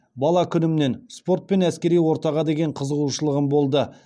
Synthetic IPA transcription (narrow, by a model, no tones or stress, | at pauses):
bɑlˠɑkʲʰʏnɪmne̞nspo̞rt̪̚pe̞næskʲe̞ɾijwo̞ɾt̪ɑʁɑd̪e̞ɡʲe̞ɴqʰəzəʁuʃəlˠəʁəmbo̞lˠd̪ə